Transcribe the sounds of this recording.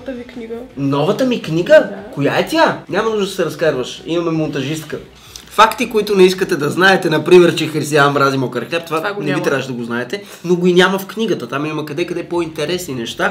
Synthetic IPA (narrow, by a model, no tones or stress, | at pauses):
nɔvɐt̪əmikniɡəkojaɛt̪ʲanʲamɐnuʒd̪əd̪ɐsɛɾɐskaɾvəʃimɐmɛmont̪ɐʒist̪kə | fakt̪ikoit̪ʊnɛiskət̪ɛd̪ɐznaɛt̪ɛnɐpɾimɛɾt͡ʃɛxɾist̪iammɾazimokəɾxɛɾt̪ovanɛvit̪ɾavəʃɛd̪ɐɡoznaɛt̪ɛ | noɡoinʲaməfknʲiɡət̪ət̪amimɐkɐd̪ɛkɐd̪ɛpoint̪ɛɾɛsninɛʃt̪a